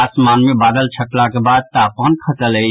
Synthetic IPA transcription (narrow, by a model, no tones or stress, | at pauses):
asmaːnmẽbaːd̪əlt͡ʃʰəlakebad̪̚t̪apənkʰət̪əle